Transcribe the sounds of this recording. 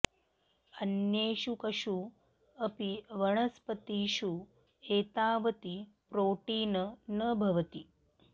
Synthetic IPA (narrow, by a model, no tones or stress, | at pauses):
ɐnjeːʃukɐʃu | ɐpiʋɐɳ̃ɐspət̪iːʃu | eːt̪aːʋət̪ipɾoːʈiːnənəbʱɐʋɐt̪i